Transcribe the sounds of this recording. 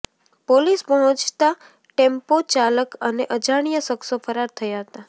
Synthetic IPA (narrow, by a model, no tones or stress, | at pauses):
polispəɦɔ̃t͡ʃt̪a | ʈempot͡ʃaləkəneʔəd͡ʒaɽ̃ijəsəksofʰəɾaɾt̪ʰəjaɦət̪a